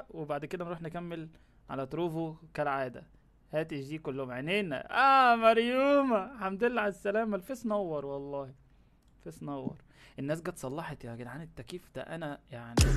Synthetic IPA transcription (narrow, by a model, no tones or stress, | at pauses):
webaʕd̪ked̪ænɾuːħnekæmːel | ʕa̰læt̪ˤɾuːfokælʕaːd̪æ̰ | hæːt̪eʒiːkolːohomʕeneːnæ̰ʔæːmɑɾjuːmæħænd̪elːʕalæsːælæːmælfesnɑwːɑɾˤwɑlˤːɑːhi | fesnɑwːɑ̰ɾˤ | ʔenːæːs̬ɡæːt̪sˤɑlːɑħet̪jɑɡeʕanet̪ːækiːfd̪æ̰ʔænæjaʕni